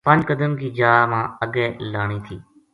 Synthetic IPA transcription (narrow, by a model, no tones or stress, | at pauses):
pə̃ɲd͡ʒkəd̪əmkiːd͡ʒaːmãːəɡɛːlaːɳ̃iːt̪ʰiː